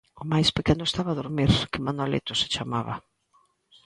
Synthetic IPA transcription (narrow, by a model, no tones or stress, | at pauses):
ʊmajspekenʊest̪aβaðoɾmiɾkɪmand̪alḛt̪ʊsɪ̥t͡ʃamaβɐ̰